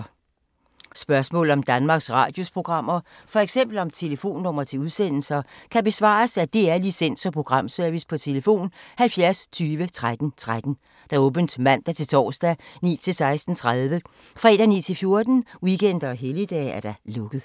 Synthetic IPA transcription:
sb̥ɶɐsmɔ̰ːl̩ˠɒ̽md̥ænmɑ̈ːɡ̥sʁɑ̰̈ːd̥jo̝spʰʁo̝ɡ̥ʁɑ̈m̰ɐfɒ̽eɡ̥sem̰b̥l̩ɒ̽mt͡sʰe̝ləfo̝̰ːnːɔ̽m̰ɐt͡sʰe̝uð̞ˠsen̰l̩sɐkʰæb̥e̝sʋɑ̰̈ːsæd̥e̝æɐlisen̰sɒ̽pʰʁo̝ɡ̥ʁɑ̈m̰sœɐʋispʰɒ̽t͡sʰe̝ləfo̝̰ːnhælfjæɐst͡sʰyːʋət͡sʰʁad̥n̩t͡sʰʁad̥n̩ | d̥æ̈ɔ̽ːb̥ənd̥mæn̰d̥æt͡sʰe̝lt͡sʰɒ̰ːsd̥ænḭːt͡sʰe̝lsɑ̈ɪsd̥n̩t͡sʰʁaðˠʋə | fʁɛ̰ːd̥ænḭːt͡sʰe̝lfjo̝ɐd̥n̩wiɡ̥ʰen̰d̥ɐɒɦelid̥ɛ̰ːæɐɾ̥ɑ̈lɔ̽ɡ̥ð̩ˠ

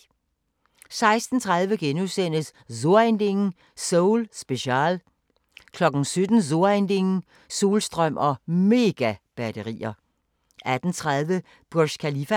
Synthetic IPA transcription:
sɑ̈ɪsd̥n̩t͡sʰʁäð̞ˠʋəɡ̥enuðˠsen̰əssoɐend̥e̝ŋn̩ | soʊlsb̥e̝ɕɑ̰ːl | kʰlɒ̽ɡ̥n̩sød̥n̩soɐend̥e̝ŋn̩ | suːlsd̥ʁœm̰ʔɒ̽me̝ɡ̥æb̥ædəʁḭːɐ | ʔæd̥n̩t͡sʰʁaðˠʋə | b̥oɐɕkʰælifæ

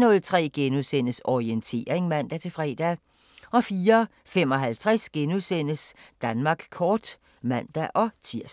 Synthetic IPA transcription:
nɔ̽lt͡sʰʁɛ̰ːɡ̥enusen̰əsɒient͡sʰe̝̰ːʁeŋmæn̰d̥æt͡sʰe̝fʁɛ̰ːd̥æ | ʔɒ̽fiːɐ | fem̰ɒ̽ɦælt͡sʰʁasɡ̥enusen̰əsd̥ænmɑ̈ːɡ̥kʰɒːd̥ | mæn̰d̥æʔɒ̽t͡sʰiɐ̰s

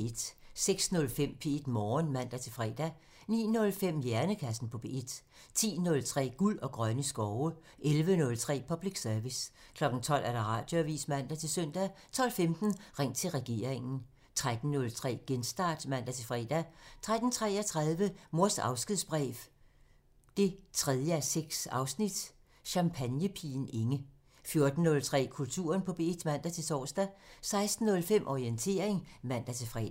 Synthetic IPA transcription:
ed̥seɡ̥snɔ̽lfem̰pʰe̝e̝d̥mɒːnmæn̰d̥æt͡sʰe̝lfʁɛ̰ːd̥æ | nḭːnɔ̽lfem̰jæɐnəkʰæsn̩pʰɒ̽pʰeed̥ | t͡sʰḭːnɔ̽lt͡sʰʁɛ̰ːɡ̥ulɒ̽ɡ̥ʁɶnəsɡ̥ɒʊə | ʔelʋənɔ̽lt͡sʰʁɛ̰ːpʰɒ̽b̥liɡ̥sœɐʋiskʰlɒ̽ɡ̥n̩t͡sʰɒ̽l̰ʔæɐɾ̥ɑ̈ʁɑ̰̈ːd̥jo̝æʋḭːsmæn̰d̥æt͡sʰe̝lsœn̰d̥æt͡sʰɒ̽l̰femd̥n̩ʁeŋ̰t͡sʰe̝lʁɛɡ̥e̝̰ːɐ̰eŋn̩ | t͡sʰʁad̥n̩ːɔ̽lt͡sʰʁɛ̰ːɡ̥ensd̥ɑ̈ːd̥mæn̰d̥æt͡sʰe̝lfʁɛ̰ːd̥æt͡sʰʁad̥n̩t͡sʰʁɛ̰ːæt͡sʰʁað̞ˠʋəmo̝ɐsɑ̈ʊsɡ̥iðˠsb̥ʁɛ̰ːf | d̥e̝t͡sʰʁɛð̞ˠjəæseɡ̥sɑ̈ʊsnid̥ | ɕɑ̈mpʰænjəpʰḭːn̩e̝ŋə | fjo̝ɐd̥n̩ːɔ̽lt͡sʰʁɛ̰ːkʰult͡sʰṵːɐnpʰɒ̽b̥e̝d̥mæn̰d̥æt͡sʰe̝sɒ̰ːsd̥æsɑ̈ɪsd̥n̩nɔ̽lfem̰ʔɒient͡sʰe̝ːɐ̰e̝ŋmæn̰d̥æt͡sʰe̝fʁɛ̰ː

